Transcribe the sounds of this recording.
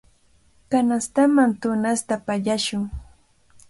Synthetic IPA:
kanast̪amant̪ʊnast̪apaʎaʃʊŋ

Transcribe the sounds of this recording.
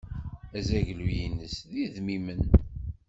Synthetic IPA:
æzæʝlujinəsðiðmimən

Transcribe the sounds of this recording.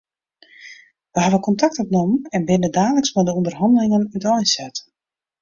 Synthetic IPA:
ʋəɦaʋəkɔntak̚tɔpnomɛnbɪnədaːləksmɛdəundərɦɑndəlɪŋənytɔjnsɛt

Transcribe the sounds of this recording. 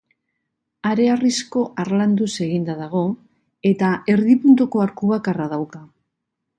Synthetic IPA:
aɾe̞arisko̞ʔaɾland̪use̞ɣind̪aðaɣ̞o̞ | e̞t̪ae̞ɾðipunt̪uko̞aɾkuβakaraðawka

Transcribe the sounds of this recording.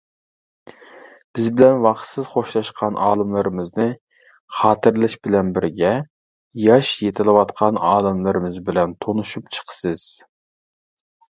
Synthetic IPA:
b̥ɪzbɪlɛnwɑχt̪sɨz̥χoʃlˠɑʃqʰɑnʔɑːlˠɨmlˠɨɾɨmɨznɨ | χɑːt̪ʰɨɾlˠɨʃbɪlɛnbɪɾɡʲɛ | jɑʃjet̪ʰɪlˠɨwɑt̪qʰɑnɑːlˠɨmlˠɨɾɨmɨzbɪlɛnt̪ʰonuʃupt͡ʃʰə̥qʰə̥sɨz̥

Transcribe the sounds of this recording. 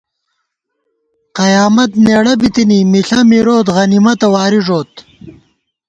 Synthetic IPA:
qɐjaːmɐt̪̚neːɽɐbit̪inimiɬɐmiɾoːt̪ʁɐnimɐt̪ɐwaːɾiʐoːt̪

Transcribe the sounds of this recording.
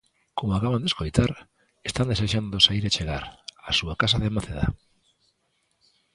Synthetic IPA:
komoakaβand̪eskojt̪aɾ | est̪and̪eseʃand̪osaiɾet͡ʃeɣaɾasuakas̬aðemaθeða̰

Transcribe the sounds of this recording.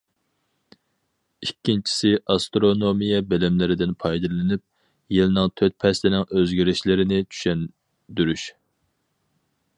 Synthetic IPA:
ikʲːint͡ʃʰi̥sɪʔɑst̪ɾonomijɛbɪlɪmlɪɾɪd̪ɪnpʰɑjd̪ɨlɪnyp̚ | jilɪnɨŋt̪ʰøt̪̚pʰɛslɪnɪŋøzɡʲiɾɪʃlɪɾɪnɪt͡ʃʰy̥ʃɛn | d̪yɾyʃ

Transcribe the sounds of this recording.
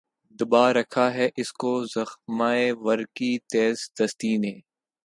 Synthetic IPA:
d̪ʊbaːɾɐkʰaɦɛʔɪskozɐxmaːeʋɐɾkit̪eːzd̪ɐst̪iːnẽː

